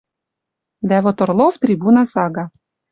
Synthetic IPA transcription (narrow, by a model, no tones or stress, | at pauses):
d̪æβot̪ŏrlˠoft̪ɾʲibunɑsɑɣɑ